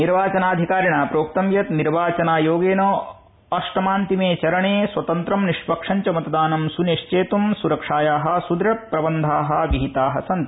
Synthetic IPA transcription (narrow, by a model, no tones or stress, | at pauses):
niɾʋaːt͡ʃɐnaːd̪ʱikaːɾiɳaːpɾoːk̚t̪ɐmjɐt̪niɾʋaːt͡ʃɐnaːjoːɡeːnoː | ɐʂʈɐmaːnt̪imeːt͡ʃɐɾɐɳeːsʋɐt̪ɐnt̪ɾɐmniʂpɐkʂɐɲt͡ʃɐmɐt̪ɐd̪aːnɐmsuneʂt͡ʃeːt̪umsuɾɐkʂaːjaːɦɐ̆sud̪ɾɐpːɾɐbɐnd̪ʱaːɦɐ̆ʋiɦit̪aːɦɐ̰sɐnt̪